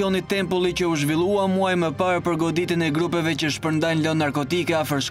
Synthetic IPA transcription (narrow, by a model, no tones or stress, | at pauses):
ɔnit̪ɛmpulˠit͡ɕəuʒvilˠuamuajməpaɾpəɾɡɔd̪it̪ənɛɡɾupɛvɛt͡ɕəʃpəɾnd̪ajnlɔnːaɾkɔt̪ikɛafəɾʃ